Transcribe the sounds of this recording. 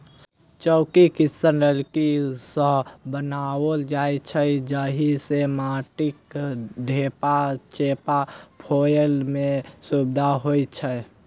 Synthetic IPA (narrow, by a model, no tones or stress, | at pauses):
t͡ʃəːkikɪsənɾəlkisə̃bənaːwəld͡ʒaːit͡ʃʰəd͡ʒəɦisemaːʈɪkɖʱeːpat͡ʃepapʰoːjəlmẽsubd̪ʱaɦoːit͡ʃʰə